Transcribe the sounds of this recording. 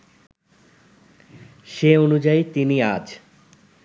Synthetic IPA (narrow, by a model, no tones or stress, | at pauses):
ʃeonud͡ʑait̪iniad͡ʑʰ